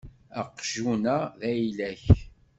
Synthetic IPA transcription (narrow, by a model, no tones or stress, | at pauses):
əqːʒunæðæjlæç